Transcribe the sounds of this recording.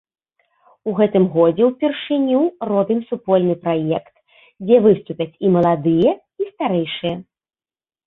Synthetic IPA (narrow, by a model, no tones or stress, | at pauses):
uɣɛt̪ɨmɣɔd͡zʲɛwpʲɛrʂɨnʲurɔbʲɨmsupɔlʲnɨpɾajɛkt̪ | d͡zʲɛvɨst̪upʲɐt͡sʲimɐlˠad̪ɨjɛ | ist̪aɾɛjʂɨjɛ